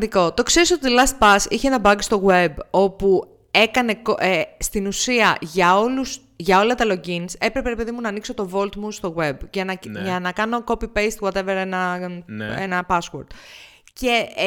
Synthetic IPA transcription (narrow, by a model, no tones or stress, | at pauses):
d̪iko̞t̪o̞kse̞ɾisot̪iðilɐst̪̚pɐsiçeenɐbɐɡst̪o̞ɣwe̞bo̞pu | e̞kɐne̞kost̪inusiɐʝɐo̞lus | ʝɐo̞lɐt̪ɐlo̞ɟinse̞pɾepeɾepeðimunɐːnikso̞t̪o̞vo̞lt̪must̪o̞ɣwe̞bʝɐnɐʝɐnɐkɐno̞ko̞pipejst̪ɣwot̪eveɾenɐ | ḛnɐpɐswo̰ɾd̪̥ | ce̞